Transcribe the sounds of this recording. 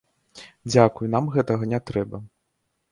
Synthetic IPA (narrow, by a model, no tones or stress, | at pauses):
d͡zʲakujunamɣɛt̪ɐɣɐnʲɛt̪ɾɛbɐ